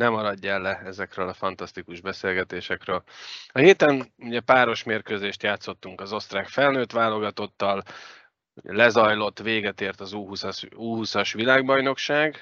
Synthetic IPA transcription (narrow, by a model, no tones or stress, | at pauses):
nɛmɒɾɒɟːɛlːɛɛzɛkrøːlɒfɒnt̪ɒst̪ikuʒbɛseːlɡɛt̪eːʃɛkrøːlɒɦeːt̪ɛnuɟɛpaːɾo̞ʃmeːrkøːzeːʃt̪jaːt̪so̞t̪ːuŋkɒzo̞st̪raːkfɛlnøːt̪ʋaːlo̞ɡɒt̪o̞t̪ːɒl | ṵɟɛ̰lɛzɒjlo̞t̪ːʋeːɡɛt̪eːrt̪ɒzuuuːɦusɒʃʋilaːɡbɒjno̞kʃaːɡ